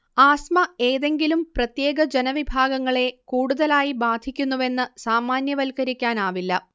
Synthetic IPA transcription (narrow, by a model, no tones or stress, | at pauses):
aːsmɐeːðe̞ŋɡilumprɐt̪je̞ːɡɐd͡ʑenɐʋibʱaːɡɐŋːɐɭe̞kuːɽuðɐlaːjibaːd̪ʱikʲːunːuʋe̞nːɨsaːmaːnjɐʋɐlkɐɾikʲːaːnaːʋilːɐ